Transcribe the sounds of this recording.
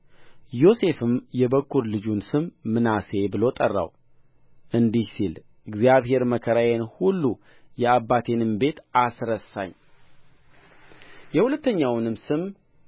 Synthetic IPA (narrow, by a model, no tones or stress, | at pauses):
jo̞se̞fɨmjɛbəkːuɾlɨd͡ʒunsɨmːɨnase̞bɨlo̞t̪ʼərːa̰w | ʔɨnd̪ihsil | ɨɡzijaβhe̞ɾməkʰəɾajenhulːu | jɛabːat̪ʰe̞nɨmbe̞t̪asɾəsa̰ɲː | jɛhulət̪ːəɲːawnɨmsɨm